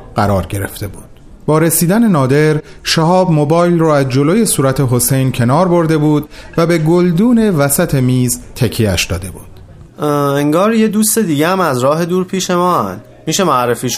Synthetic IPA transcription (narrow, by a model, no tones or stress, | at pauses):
ɢæɾɒːɾɟe̞ɾe̞̰ft̪e̞buːd̪̥̚ | b̥ɒːɾesiːd̪æne̞nɒːd̪e̞ɾʃæhɒːbmobɒːjlrɔːæzd͡ʒo̞loːje̞suːɾæt̪ʰeɦo̞se̞jncʰe̞nɒːɾbo̞ɾd̪e̞buːd̪væbe̞ɡold̪uːne̞væsæt̪ʰe̞miːzt̪ʰecʰːiæ̰ʃd̪ɒ̰ːd̪e̞buːd̪̥ | eŋɡɒːɾje̞d̪uːst̪e̞d̪iːɟeæmæzɾɒːɦe̞d̪uːɾpʰiːʃe̞mɒːænd̪ | miːʃe̞maæɾefiːʃ